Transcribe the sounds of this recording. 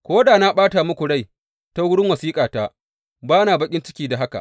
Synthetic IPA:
kʷoː˦daː˨na˦ɓaː˦ta˨mʊ˦kʷu˨ɽa˦j | ta˦wʊ˦ɽɪ˦ŋwɐ˨siː˦kʼaː˨ta˦ | baː˦naː˨bɐ˦kʲʼɪ˦nt͡ʃɪ˦kʲiː˦˨da˨ɦa˦ka̰˨ʔ

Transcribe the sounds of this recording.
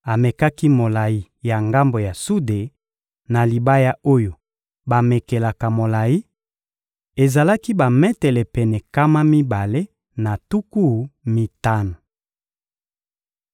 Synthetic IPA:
a˨me˨ka˦ki˦mo˨la˨ji˦ | ja˨ŋɡa˦mbo˨ja˨su˦de˨ | na˨li˨ba˦ja˦o˦jo˨ | ba˨me˨ke˨la˨ka˨mo˨la˨ji˦ | e˨za˨la˦ki˦ba˨mɛ˦tɛ˨lɛ˨pɛ˨nɛ˨ka˦ma˦mi˦ba˨le˦ | na˨tu˦ku˦mi˨ta˦na˨

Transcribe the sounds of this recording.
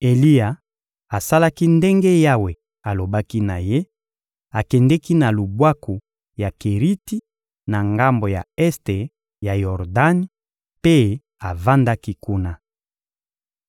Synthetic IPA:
e˨li˦ja˨ | a˨sa˦la˦ki˦nde˦ŋɡe˦ja˦we˨ | a˨lo˨ba˦ki˦na̰˨je˦ | a˨kɛ˨ndɛ˦ki˦na˨lu˨bwa˦ku˨ | ja˨ke˨ʁi˦ti˦ | na˨ŋɡa˦mbo˨ja̰˨ɛ˦ste˨ | ja˨jɔ˨ʁda˦n˦ | pe˦ | a˨va˦nda˦ki˦ku˦na˦

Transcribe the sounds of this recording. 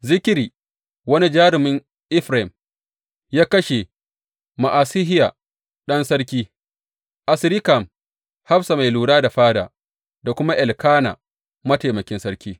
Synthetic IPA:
zɪ˦kʲɪ˦ɾiː˨ | wɐ˦ni˦d͡ʒaː˦ɾɪ˨mɪ˦ŋ | ʔɪ˦ɸɾa˨m | jaː˦kɐ˦ʃe˨ | ma˨ʔaː˨sɪ˦ɦɪ˦jaː˨ | ɗɐ˦nsɐ˦ɾkʲiː˦ | ʔa˨sɾɪ˦ka˨m | ha˦bsa˨ma˨jluː˨ɽaː˦da˨ɸaː˦da̰ː˨ | da˨kʷʊ˦ma˦ʔɛ˨lkaː˦na̰ː˨ | mɐ˦ta˨mɐ˨kʲɪ˦nsɐ˦ɾkʲiː˦

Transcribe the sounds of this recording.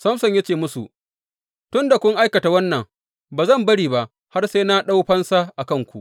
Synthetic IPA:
sɐ˦msɔ˨ɲja˦t͡ʃeː˨mʊ˦sṵ˨ | tʊ˦nda˨kʷʊ˦ŋʔa˦jkɐ˨ta˨wɐ˦nːɐ˨ŋ | baː˨zɐ˦˨mbɐ˦ɽiː˨ba˨ʔ | ha˦rse˦na˦ɗa˦wɸɐ˦nsa˦ʔa˨kɐ˦˨ŋkʷu˨ʔ

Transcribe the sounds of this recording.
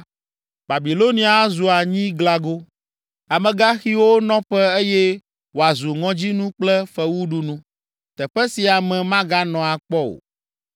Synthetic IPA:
ba˨bi˨lo˦nĩ˦a˨˦zu˨a˨ɲĩ˦ɡla˨ɡo˦ | a˨mɛ̃˨ɡa˦xi˦wo˦nɔ̃˦ɸɛ˦e˦jɛ˦ | wo˨a˨zu˨ŋɔ̃˨˦d͡ʑi˦nũ˦k͡plɛ˦fɛ˦wu˦ɖu˦nũ˦ | t̪ɛ˨ɸɛ˦si˨a˨mɛ̃˨mã˦ɡa˦nɔ̃˨a˨k͡pɔ˦o̰˨

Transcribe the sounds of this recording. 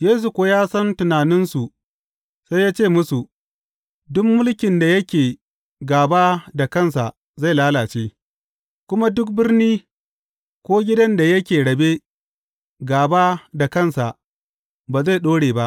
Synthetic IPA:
jeː˦s̬u˨kʷoː˦jaː˦sɐ˦ntʊ˨naː˨nɪ˦nsu˨ | sa˦jaː˦t͡ʃeː˦˨mʊ˦su˨ | dʊ˦mːʊ˦lkʲɪ˨nda˨jɐ˦kʲeː˨ | ɡaː˨baː˦da˨kɐ˦˨ns̬a˨ʔ | za˦˨jlaː˦laː˨t͡ʃeː˦ | kʷʊ˦ma˦dʊ˦k̚bɪ˦rniː˦ | kʷoː˦ɡʲɪ˦dɐ˦nda˨jɐ˦kʲeː˨ɽɐ˨beː˦ | ɡaː˨baː˦da˨kɐ˦˨nsa˨ʔ | baː˨za˦˨ɗoː˦ɽeː˨ba˦ʔ

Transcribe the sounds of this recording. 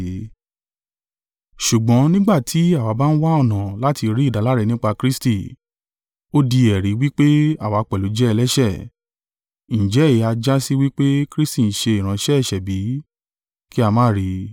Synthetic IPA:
ʃu˨ɡ͡bɔ̃˨˦nĩ˦ɡ͡ba˦˨tʰi˨˦a˦˨wa˨˧˦ba˦˧n̩˦wa˦ɔ˦˨nã˨la˦ti˧ɾi˦˨da˨˦la˦ɾɛ˧nĩ˦k͡pa˧kɾi˦sti˦˨ | o˦di˧ɛ˨ɾi˨˦wi˦k͡pe˦a˦˨wa˨˦k͡pɛ˨lo˨˦d͡ʒɛ˦ɛ˧lɛ˦ʃɛ˦˨ | ñ̩˨d͡ʒɛ˨˦i˨˦a˧d͡ʒa˦si˦wi˦k͡pe˦kɾi˦sti˦˨n̩˨ʃe˧i˨ɾ̃ã˨˦ʃɛ˦ɛ˦˨ʃɛ˨bi˨˦ | ki˦a˧mãː˦˨ɾi˧

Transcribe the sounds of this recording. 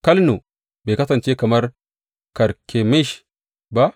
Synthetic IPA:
kɐ˦lnu˨ | be˨kɐ˦tɐ˨nt͡ʃe˦kɐ˨mɐ˦ɾ | kɐ˨ɾkʰe˨me˦ʃ | ba˦

